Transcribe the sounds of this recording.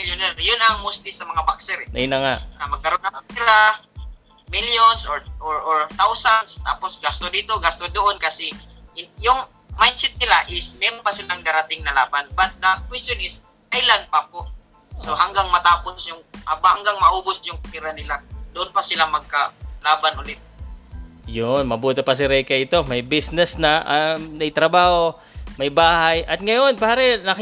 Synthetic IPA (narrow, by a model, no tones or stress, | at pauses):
ljonɛɾjʊnaŋmʊst̪ɪsamɐŋabaksɛɾɛnainaŋaŋamɐɡ̚kːaɾonamaŋpɪɾa | miljonsoɾoɾoɹt̪awsanst̪a̰ːposɡast̪od̪it̪oɡast̪od̪oʔonkasɪ | jʊŋ | majd̪sɛt̪̚nɪlaʔɪsmɛmopasɪlaŋdaɾat̪ɪŋnala̰ːbanbat̪̚dakwɛst̪jonɪs | ʔajlanpapo | sohaŋɡaŋmɐt̪aːposjʊŋʔabahaŋɡaŋmɐʔuːbʊsjʊŋpɪɾanɪlad̪oʔonpɐsɪlamɐɡ̚kɐlaːbanʔʊlɪt̪̚ | jonmɐbuːt̪ɪpɐs̬ɪɾɛjkɐʔɪt̪o̞mɐjbisnɛsnɐʔanɐjt̪ɾɐbaːho̞ | mɐjbaːhajʔɐt̪̚ŋɐjo̞npaːɾɛnɐk